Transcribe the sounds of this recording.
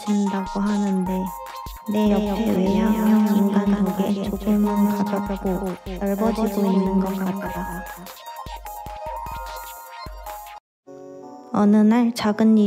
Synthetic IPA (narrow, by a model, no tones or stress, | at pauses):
d͡ʑindaɡ̥oɦanɯnde̞ | ne̞jʌpʰeweɦajaŋiŋɡanɾoɡe̞t͡ɕoɡɯmankadɡ̥ojʌɭbʌd͡ʑiɡoinːɯnɡʌk͈at͈̚a | ʌnɯnaɭt͡ɕaɡɯnːi